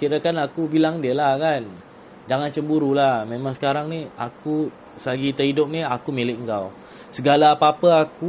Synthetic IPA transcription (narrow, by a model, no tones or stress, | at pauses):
kiɾakanakubilaŋdiəlahkan | d͡ʒaŋant͡ʃəmbuɾulahmẽmãŋsə̥kaɾaŋniaku | saɡit̪əidʊp̚niakumilɪk̚ŋkaw | səɡalapapəaku